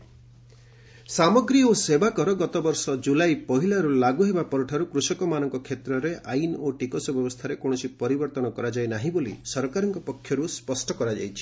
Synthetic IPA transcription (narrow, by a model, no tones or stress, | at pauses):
samɔɡɾiosebakɔɾɔɡɔt̪ɔbɔɾsɔd͡ʒulajpɔɦilaɾulaɡuɦebapɔɾuʈʰaɾukɾusɔkɔmanɔŋkɔkʰet̪ɾɔɾeʔajnoʈikɔsɔbjɔbɔst̪ʰaɾekõɔsipɔɾibɔɾt̪ɔnɔkɔɾad͡ʒajnaɦĩbolḭsɔɾkaɾɔŋkɔpɔkʰːjɔɾuspɔsʈʰɔkɔɾad͡ʒa̰jt͡ʃʰi̥